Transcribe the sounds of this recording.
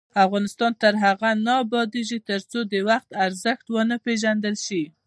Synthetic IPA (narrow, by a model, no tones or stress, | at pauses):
afɣɑnɪst̪ɑnt̪əɾɦaɣanɑbɑd̪eʒit̪əɾt͡sod̪əwaxt̪aɾzəxʈ̪wənəpeʒand̪əlʃi